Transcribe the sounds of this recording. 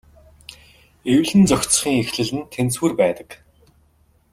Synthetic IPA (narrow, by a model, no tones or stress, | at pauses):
ewɮɘ̆nt͡sɔkʲt͡sχiːŋexɮɘ̆ɮɘ̆nt̪ʰent͡swuːrpæːt̪ə̥̆k